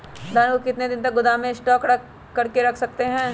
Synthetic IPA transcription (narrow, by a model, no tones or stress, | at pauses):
d̪ʱaːnkokɪt̪ned̪ɪ̃nt̪ɐk̚ɡʊd̪aːmẽsʈɔːkɾɐː | ɐɾkeɾɐkʰsɐk̚t̪eɦɛ̃ː